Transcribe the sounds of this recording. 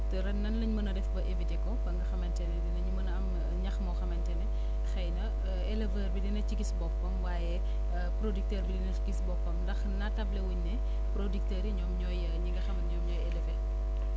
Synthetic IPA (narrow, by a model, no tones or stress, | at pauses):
tɛɾɐnnːɐnlɐɲmɐnɐdɛfbɐʔevitekɔbɐŋɡɐxɐmɐntɛnɛdinɐɲmɐnam | ɲɐxmɔxɐmɐntɛnɛ | xɐjnɐ | ɛlevɐːrbidinɐt͡ʃiɡisbɔp̚kɔmwaːjɛ | pɾodik̚tɐrbidinɐikisbɔpkɔmndɐxnɐtɐblɛwuɲnɛ | pɾodik̚tɐɾiɲɔːmɲɔj | ɲiŋɡɐxɐmɐɲɔːmɲɔːjɛlɛfe